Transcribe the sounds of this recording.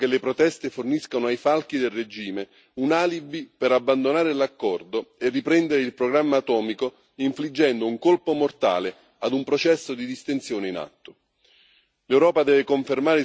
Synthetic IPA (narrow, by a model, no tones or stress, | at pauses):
kelepɾot̪ɛst̪eforniskanoajfalk̟id̪elred͡ʒiːme | unaːlibipeɾabːand̪onaːɾelakːɔrd̪oerːipɾɛnd̪eɾeilpɾoɡɾamːaːt̪ɔːmiko | iɱflid͡ʒːɛnd̪ouŋkolpomort̪a̰ːle | ad̪umpɾot͡ʃɛsːod̪id̪ist̪ent̪sjɔːneina̰t̪ːo̥ | lewɾɔːpad̪ɛːvɪkoɱfermaːɾɪ